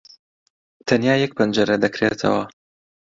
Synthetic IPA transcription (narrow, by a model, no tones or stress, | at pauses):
t̪ʰɐnjaːjɛk̚pʰɐnd͡ʒɐɾɐd̪ɐkɾḛt̪ʰɐ̰wɐ